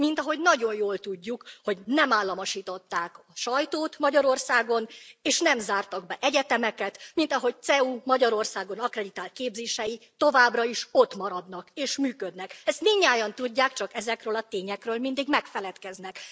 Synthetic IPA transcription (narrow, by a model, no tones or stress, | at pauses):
mint̪ɒɦo̞ɟnɒɟo̞jjoːlt̪uɟːukho̞ɟnɛmaːlːɒmoʃiːt̪o̞t̪ːaːkɒʃɒjt̪oːt̪mɒɟɒɾo̞rsaːɡo̞neːʃnɛmzaːrt̪ɒɡbɛʔɛɟɛt̪ɛmɛkɛt̪mint̪ɒɦo̞c̚t̪sɛumɒɟɒɾo̞rsaːɡo̞nɒkrɛd̪it̪aːlt̪̚keːbzeːʃɛjit̪o̞vaːbrɒiʃo̞t̪mɒɾɒd̪nɒkeːʃmyːkød̪nɛkɛst̪miɲːaːjɒnt̪uɟːaːkt͡ʃɒkɛzɛkrøːlɒt̪eːɲɛkrøːlmind̪iɡmɛkfɛlɛt̪kɛznɛk